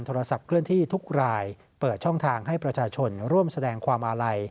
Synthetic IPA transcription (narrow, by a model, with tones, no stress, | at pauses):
nt̪ʰoː˧ɾa˧sa˨˩p̚kʰɾɯ˥˩ənt̪ʰiː˥˩t̪ʰu˦˥k̚ɾaː˧j | pɤː˨˩t̪̚t͡ɕʰɔ˥˩ŋt̪ʰaː˧ŋɦa˥˩jpɾa˧t͡ɕʰaː˧t͡ɕʰo˧nɾu˥˩əmsa˧dɛː˧ŋkʰwaː˧mʔaː˧ɾa˧j